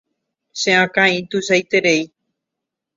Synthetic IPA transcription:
ʃẽãkãĩt̪usajt̪eɾej

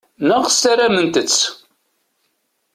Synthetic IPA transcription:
nəʁsaɾamənt̪ət͡sː

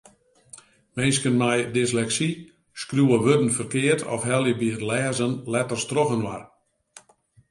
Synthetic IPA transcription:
mɪnskənmɛjdɪslɛksi | skrjuəʋødən̩fərkɪːərtʰɔ̰fhɛlˠjəbiərlɛːzənlɛtərstroɣənʋar

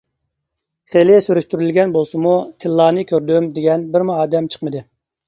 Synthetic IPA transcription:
χelɪsyɾyʃt̪yɾylɡʲɛnbolˠsɨmut̪ʰɪlˠːɑːnɨkʲʰøɾd̪ymd̪eɡʲɛnbɪɾmuɑːd̪ɛmt͡ʃʰə̥χmɨd̪ɨ

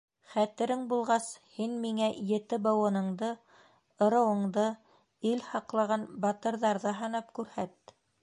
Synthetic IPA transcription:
χæt̪ɘ̆ɾɘŋbulˠʁɑshinmiŋæjɘ̆t̪ɘbɤ̆wɤ̆nɤ̆ɴd̪ɤ | ɤ̆ɾɤ̆wɤ̆ɴd̪ɤ | ilhɑqlˠɑʁɑnbɑt̪ɤ̆ɾðɑɾðɤɦɑnɤpkʉɾhæt̪

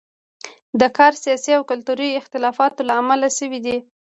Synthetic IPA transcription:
d̪əkɑɾsijɑsiawkʊlt̪uɾiɪxt̪ɪlɑfɑt̪olaːmalaʃəwid̪i

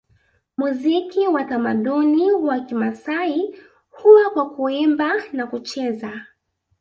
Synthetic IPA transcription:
muzikiwatamaɗuniwakimasai | huwakwakuimbanakut͡ʃɛza

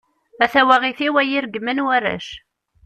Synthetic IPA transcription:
æθæwæʁiθiwæjiɾɡmænwærːæ̰ʃ

